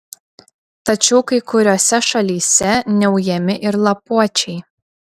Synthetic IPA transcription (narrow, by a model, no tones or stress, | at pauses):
t̪ɐt͡ʃʲɛʊkɐɪkʊɾʲoːsʲɛʃɐlʲiːsʲɛnʲɛʊjɛmʲɪʔɪɾlˠɐpuɔt͡ʃʲɛɪ